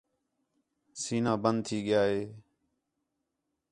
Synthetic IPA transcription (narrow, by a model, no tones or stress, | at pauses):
siːnãːbənd̪̚t̪ʰiːɠɪjaːɦeː